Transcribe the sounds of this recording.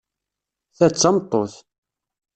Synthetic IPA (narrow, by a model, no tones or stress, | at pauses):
θæt͡sːɑmt̪ˤːoθ